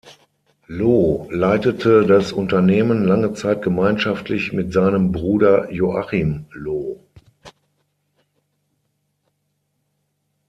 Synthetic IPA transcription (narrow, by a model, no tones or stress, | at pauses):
loːlaɪtətʰədasʔʊntɐneːmənlaŋət͡saɪt̚ɡ̥əmaɪnʃaftʰlɪçmɪtz̥aɪnəmbʁuːdɐjoʔaχimloː